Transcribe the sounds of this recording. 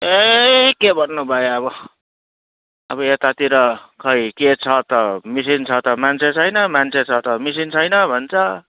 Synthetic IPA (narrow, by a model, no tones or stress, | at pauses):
ekebʱʌrnubʱʌeʌβʌ | ʌbʌet̪at̪iɾʌkʰʌjket͡sʰʌt̪ʌmis̬int͡sʰʌt̪ʌmant͡sʰet͡sʰʌjnʌmant͡sʰet͡sʰʌt̪ʌmisint͡sʰʌjnʌbʱʌnt͡sʰʌ